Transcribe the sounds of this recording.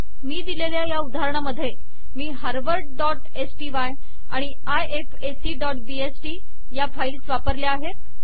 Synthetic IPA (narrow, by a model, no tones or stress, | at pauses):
miːd̪ileljajaud̪ʱaaɾəɳ̃aməd̪ʱːje | miːɦəɾʋəɾʈ̚ɖɔʈ | esʈiːʋaj | aɽ̃i | ajefesiːɖɔʈbiesʈiː | jafaiːlsʋapəɾljaːɦet̪